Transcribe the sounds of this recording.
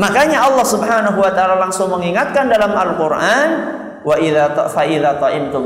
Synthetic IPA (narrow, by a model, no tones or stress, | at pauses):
makaɲaɑlːɑhsubɦanaɦuwat̪aʔalalaŋsʊŋməŋiŋat̪̚kandalamalkʊrʔan | waʔiðafaʔiðat̪ˤɑʔɪmt̪ʊm